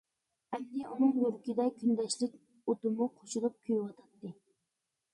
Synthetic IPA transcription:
ɛnd̪ɪʔunɨŋjøɾkʲid̪ɛkʲʰynd̪ɛʃlɪk̚ʲ | ot̪ɨmuqʰoʃulˠup̚kʲʰyjwɑt̪ʰɑt̪ːɨ

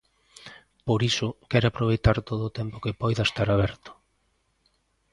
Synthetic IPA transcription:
poɾisʊkɛɾapɾoβ̞ejt̪aɾt̪oðoːt̪ɛmpokɪpɔjðaest̪aɾaβ̞ɛɾt̪ʊ̥

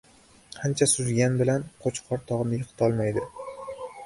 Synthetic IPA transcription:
hant͡ʃʰasʊzɡʲanbɪlanqʰot͡ʃqʰɒɾt̪ʰɒʁnɪjɨqʰt̪ʰɒlˠmajd̪ɪ

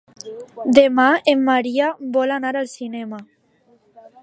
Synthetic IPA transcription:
d̪emaemːaɾiabɔlanaɾalsinema

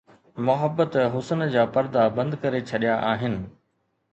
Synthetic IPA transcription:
mʊɦəbːət̪ɦʊsənd͡ʑaːpɐɾd̪abɐ̃nd̪kɐɾet͡ɕʰɐɗijaʔaːɦɪnɪ̆

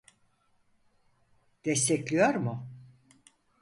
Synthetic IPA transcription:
d̪̥ɛst̪ʰɛclʲijoɾmʊ

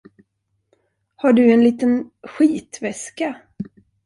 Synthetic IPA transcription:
haɖɵɛnliːt̪ənɧiːt̪vɛska

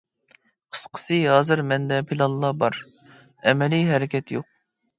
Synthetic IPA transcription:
qʰə̥sqʰə̥sɨɦɑːzɨɾmɛnd̪ɛpʰilˠɑlˠːɑbɑɾ | ɛmɛlijɦɛɾɪkʲʰɛt̪joq̚

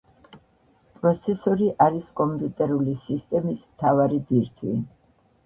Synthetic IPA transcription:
pʼɾɔt̪sʰɛsɔɾiʔaɾiskʼɔmpʼut̪ʼɛɾulisist̪ʼɛmismt̪ʰavaɾib̪iɾt̪ʰwḭ

